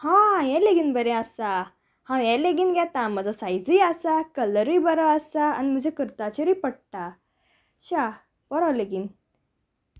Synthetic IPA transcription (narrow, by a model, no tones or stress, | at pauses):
hãjɛleɡinbəɾeasa | hãjɛleɡinɡɛt̪ãməd͡zasajd͡zijasakələɾibəɾəəsaːnim̤əd͡ʑʱekəɾt̪at͡ɕeɾipəɽʈa | ɕa | b̥əɾaleɡin